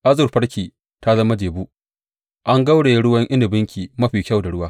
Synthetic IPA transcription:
ʔa˦zʊ˨rɸɐ˦ɽkʲiː˨ | ta˦zɐ˦ma˦d͡ʒeː˨buː˦ | ʔa˦ŋɡa˦wɽeː˨jɽʊ˦wɐ˦ŋʔɪ˦ndɪ˨bɪ˦ŋkʲiː˨mɐ˦ɸiː˨kʲɐ˦˨wda˨ɽʊ˦waː˦

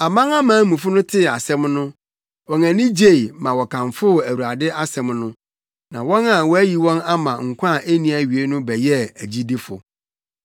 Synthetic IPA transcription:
a˨mã˦ŋa˦mã˨˦mũ˨fʊ˦nʊ̃˦tʰɪ˦˨a˨sɛ̃˦mnʊ̃˦ | wɔ̃˨ŋæ̃˨nĩ˦d͡ʑe˦˨i˨mã˨wɔ˨kʰã˨ɱfʊ˦˨æ˨wu˨a˨dɪ˦ʔa˦sɛ̃˨mnʊ̃˦ | nã̰˨wɔ̃˦na˦˨wɔ˦æ˦ji˨wɔ̃˦na˦mã˨ŋ̩˨kʷʰã˦˨ʔe˦nĩ˨˦æ˨ɥi˨e˦nʊ̃˦bɛ˨jɛ˦æ˨d͡ʑi˦di˦fʊ̰˨

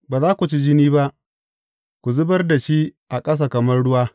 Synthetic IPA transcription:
baː˨zaː˦kʷu˨t͡ʃi˦d͡ʒɪ˦niː˦ba˦ʔ | kʷu˨zʊ˦bɐ˦rda˨ʃi˦ʔa˨kʼɐ˦s̬a˨kɐ˨mɐ˦rɽʊ˦waː˦

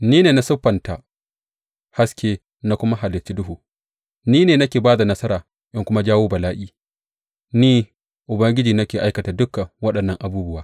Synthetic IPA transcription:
niː˦neː˨na˦sʊ˦ɸːɐ˨nta˨ | ha˦skʲeː˦ | na˦kʷʊ˦ma˦ɦa˨lɪ˨t͡ʃi˦dʊ˦ɦuː˨ | niː˦neː˨nɐ˦kʲeː˨baː˦da˨nɐ˦sɐ˦ɾaː˨ | ʔɪ˦ŋkʷʊ˦ma˦d͡ʒaː˦woː˦bɐ˨laː˦ʔiː˦ | niː˦ | ʔʊ˨bɐ˦ŋɡʲɪ˦d͡ʒiː˨nɐ˦kʲeː˨ʔa˦jkɐ˨taː˨dʊ˦kːa˨wɐ˦ɗɐ˨nːɐ˦˨ŋʔa˨buː˦bʊ˦waː˦

